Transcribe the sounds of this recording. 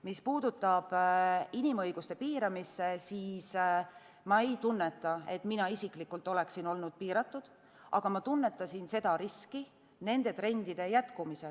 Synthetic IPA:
mispuːd̪̥ut̪ːˑɑb̥inimɤjɡ̥ust̪e̞piːɾɑmisːe̞siːs | mɑe̞jt̪unːe̞t̪ːˑɑe̞t̪ˑminɑisiklikːult̪ːˑo̞le̞ksino̞lnud̪̥̚piːɾɑt̪ːˑud̪̥ | ʔɑ̰ɡ̥ɑmɑt̪unːe̞t̪ːˑɑsinse̞d̪ɑɾiski | ne̞nd̪̥e̞t̪ɾe̞nʲd̪̥id̪̥e̞jæt̪kumise

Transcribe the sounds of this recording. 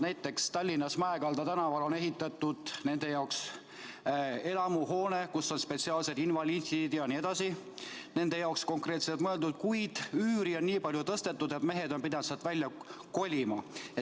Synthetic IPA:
næjt̪ːe̞kst̪ɑlʲːinɑsmɑekɑld̪̥ɑt̪ænɑvɑlo̞ne̞ɦit̪ːˑɑt̪ːˑud̪̥ne̞nd̪e̞jɑoks | e̞lɑmuɦo̞ːne̞kusːo̞nspe̞t̪siɑːlse̞d̪invɑlʲint̪id̪̥jɑnie̞d̪̥ɑsi | ne̞nd̪̥e̞jɑoksko̞ŋkre̞ːt̪se̞lt̪mɤe̞ld̪ud̪̥̚kujd̪̥yːɾio̞nːiːpɑlʲjut̪ɤst̪e̞t̪ːud̪̥e̞t̪me̞ɦe̞d̪o̞npid̪ɑnsɑt̪vælʲːjɑko̞lʲimɑe

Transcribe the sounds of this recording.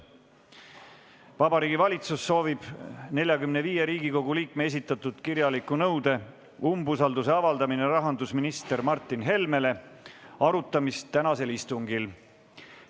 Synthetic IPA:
vɑbɑɾiːɡivɑlʲit̪susːo̞ːvib̥ne̞lʲjɑkymne̞viːje̞ɾiːɡ̥iko̞ɡ̥uliːk̚mees̬ʲit̪ːˑɑt̪ːˑud̪̥kirjɑlikːˑunɤwd̪̥e̞ | umbusɑld̪use̞ɑvɑld̪ɑmineɾɑɦɑnd̪usminist̪e̞rmɑrt̪ːˑinɦe̞lme̞le̞ɑɾut̪ːˑɑmist̪ːænɑse̞list̪uŋɡil

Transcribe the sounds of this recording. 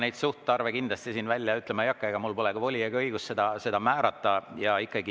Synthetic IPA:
nejd̪suht̪ːɑrvekind̪lɑst̪isiːnvælʲjɑyt̪lemɑjɑkːɑeɡ̥ɑmulpo̞lekuvo̞lʲieɡɤijɡ̥usse̞d̪ɑse̞d̪̥ɑmæːɾɑt̪ːˑɑjɑikːˑɑɡi

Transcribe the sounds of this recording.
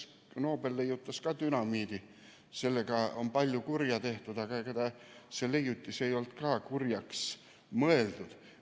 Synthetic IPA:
no̞ːbelːejːut̪ːɑskɑt̪ynɑmiːd̪̥i | se̞lːeɡ̥ɑo̞mpɑlʲjukurjɑt̪e̞ht̪ud̪̥ɑɡ̥ɑeked̪ɑsele̞jut̪ʲːˑise̞jo̞lt̪kɑːkurjɑks | mɤe̞ld̪ud̪̥

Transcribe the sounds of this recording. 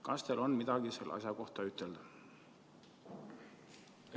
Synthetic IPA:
kɑst̪elo̞nmid̪̥ɑɡ̥iselʔɑ̰sjɑko̞ht̪ɑyt̪ːˑeld̪̥ɑ̥

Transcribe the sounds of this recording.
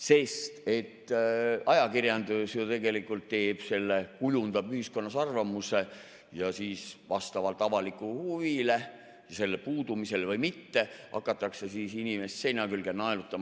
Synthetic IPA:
se̞st̪e̞t̪ːɑjɑkirjɑnd̪usjot̪e̞ɡe̞likːˑult̪t̪ːe̞ːb̥se̞lːe̞kujund̪̥ɑbyhisko̞nːɑsɑrvɑmuse̞ | jɑsiːsvɑst̪ɑvɑlt̪ːˑɑvɑlikːˑuhuvile | jɑse̞lːepuːd̪umise̞lvɤjmit̪ːe̞ʔɑ̰kːˑɑt̪ːˑɑkse̞siːsinimesse̞jnɑkylɡ̥enːɑelut̪ːˑɑm

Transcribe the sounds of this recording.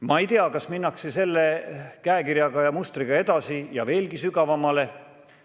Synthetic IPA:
mɑejt̪eɑkɑsminːɑksese̞lːekæekiɾjɑɡɑjɑmust̪riɡ̥ɑe̞d̪̥ɑsijɑ̰ve̞ːlɡisyɡ̥ɑvɑmːɑle̞

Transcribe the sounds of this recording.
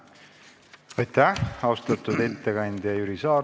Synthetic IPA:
ɑjt̪ːæhɑwst̪ɑt̪ud̪̥e̞t̪ːeɡɑnʲd̪̥ʲjɑjyɾisɑː

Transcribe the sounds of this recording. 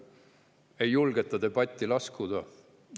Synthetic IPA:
ejulɡ̥et̪ːˑɑd̪e̞b̥ɑt̪ʲːˑilɑskud̪̥ɑ

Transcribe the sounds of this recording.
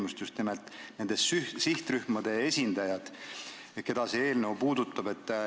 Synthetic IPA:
must̪just̪nimelt̪ˑne̞nd̪̥esysiht̪ryhmɑd̪̥e̞e̞sʲind̪̥ɑjɑd̪̥ | ke̞d̪̥ɑsee̞ːlnewpuːd̪ut̪ˑːɑbe̞t̪ːˑ

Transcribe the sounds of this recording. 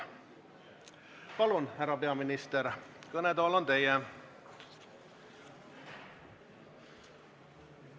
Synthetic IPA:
pɑlunhæɾɑpe̞ɑminist̪eɾkɤnet̪oːlont̪e̞jɛ

